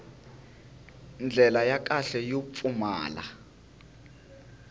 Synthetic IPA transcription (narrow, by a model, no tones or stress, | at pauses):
nd͡ɮʱɛlajak̬ʼaɬɛjop̪fuma̰ːla̰